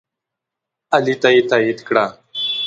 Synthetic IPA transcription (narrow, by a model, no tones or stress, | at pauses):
alit̪ait̪ajit̪kɽa